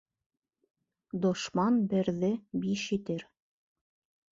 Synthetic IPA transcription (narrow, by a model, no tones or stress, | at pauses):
d̪ŏʃmɑnbɘ̆ɾðɘbiʃit̪ɘɾ